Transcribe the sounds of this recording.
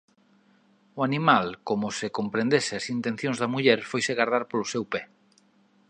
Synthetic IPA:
ʊanĩmalkomʊsɪkompɾẽnd̪esɪɐsint̪ẽn̟θjõŋzðɐmuʎɛɾfojseɣaɾðaɾpolʊsewpɛ

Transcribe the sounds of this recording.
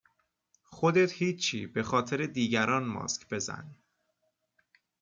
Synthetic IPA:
xo̞d̪e̞t̪hiːt͡ʃʰːiːbe̞xɒːt̪ʰe̞ɾe̞d̪iːɟæɾɒːnmɒ̰ːscʰb̥e̞zæ̰n

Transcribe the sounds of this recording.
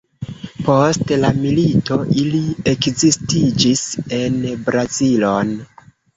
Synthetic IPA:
po̞stlamilito̞ʔilie̞kzistid͡ʒise̞nbɾazilo̞n

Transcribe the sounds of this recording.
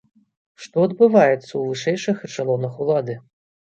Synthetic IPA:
ʂt̪ɔɐd̪̚bɨvajɛt̪sːɐwvɨʂɛjʂɨxt͡ʂalˠɔnɐxulˠad̪ɨ

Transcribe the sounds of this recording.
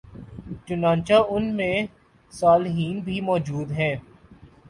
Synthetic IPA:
t͡ʃʊnãːnt͡ʃaʊnmẽ | saːlɦiːnbʱimɔːd͡ʒuːd̪ɦɛ̃ː

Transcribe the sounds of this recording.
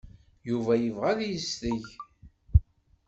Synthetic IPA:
juvæjəvʁaljəsθəʝ

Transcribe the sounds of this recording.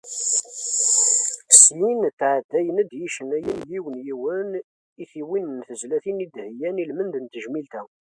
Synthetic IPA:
sjinθʕad̪ːæjənæd̪jiʃənæjənliwənjiwən | iθiwinənθəzlæθinid̪hjænilmənd̪ənt̪ːəʒmilt̪æ

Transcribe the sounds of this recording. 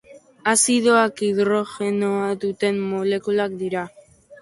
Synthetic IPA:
asiðoakiðɾo̞xe̞noad̪ut̪e̞mːole̞kulakd̪iɾa

